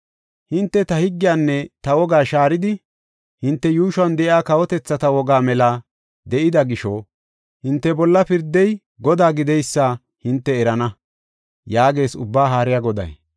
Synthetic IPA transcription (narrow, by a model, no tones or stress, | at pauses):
hɪnt̪ːɛt̪ɐhɪɡːɪjaːnːɛt̪ɐwɔɡaːʃaːɾɪd̪ɪ | hɪnt̪ːɛjuːʃwɐnd̪ɛʔjaːkɐwɔt̪ɛt͡sːɐt̪ɐwɔɡaːmɛlaː | d̪ɛʔɪd̪ɐɡɪʃoː | hɪnt̪ːɛbɔlːɐpɪɾd̪ːɛj | ɡɔd̪aːɡɪd̪ɛjsːaː | hɪnt̪ːɛɛɾɐnɐ | jaːɡe̞ːsʊbːaːɦaːɾɪjaɡɔd̪ɐ̰j